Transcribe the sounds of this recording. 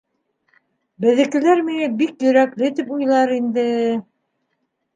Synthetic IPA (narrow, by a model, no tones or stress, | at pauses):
bɘ̆ðɘ̆kɘ̆læɾmiŋæbikjɵ̆ɾæklɘt̪ipujlˠɑɾind̪ɘ